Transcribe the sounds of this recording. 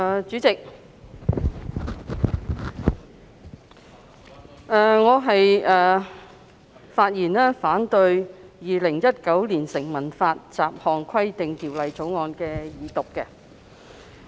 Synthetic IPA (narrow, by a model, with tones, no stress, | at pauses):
t͡ʃyː˨˥t͡sɪ˨k̚ | ɛː˨˩ŋɔː˨˧ɦɐ˨jʔɛː˨ | faː˧t̚jiː˨˩nɛː˥faː˨˥nt̪ɵ˧ɥjiː˨lɪ˨˩ŋjɐ˥t̚kɐ˨˥wliː˨˩nsɪ˨˩ŋmɐ˨˩nfaː˧t̚t͡saː˨p̚hɔː˨˧ŋkʰɐ˥jt̪ɪ˨ŋt̪iː˨˩wlɐ˨jt͡so˨˥wŋɔː˨˧nkɛː˧jiː˨˧t̪ʊ˨k̚kɛ˧